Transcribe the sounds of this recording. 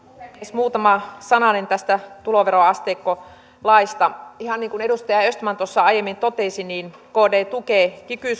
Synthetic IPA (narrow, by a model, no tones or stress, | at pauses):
smuːt̪ɑmɑsɑnɑnent̪æst̪æt̪uloʋeroɑst̪eːkːo | lɑist̪ɑihɑnniːŋkuneɾust̪ɑjɑøst̪mɑnt̪osːɑɑijemːint̪ot̪eˑsiniːnkoːdeːt̪ukeːˑkykyˑs